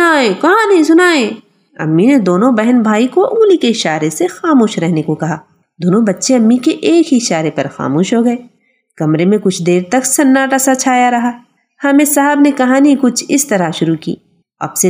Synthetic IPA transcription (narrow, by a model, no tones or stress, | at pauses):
aːẽkɐɦãnɐɦĩsʊnaːẽ | ɐ̰mːined̪oːnõbɛɦənbʱaːikoʔuːlikeɪʃaːɾesexaːmoːʃɾɛɦnekokɐɦaː | d̪oːnõbɐtːʃeɐmːikeʔeːkiɪʃaːɾepɐɾxa̰ːmoːʃɦoɡɐeː | kɐmɾemẽkʊt͡ʃʰd̪eːɾt̪ɐksɐnːaːʈasɐt͡ʃʰaːjaɾɐɦaː | hɐmẽsɐɦəbnekɐɦãnɦĩkʊt͡ʃʰɪst̪ɐɾaʃʊɾukḭː | ɐ̰bse